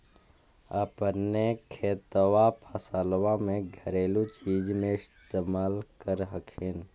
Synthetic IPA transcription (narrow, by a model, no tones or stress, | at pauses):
əpnekʰeːt̪wapʰəsaːlwãmẽɡʱəɾeːlut͡ʃiːd͡ʒmẽɪst̪eːmaːlkəɾɦəkʰen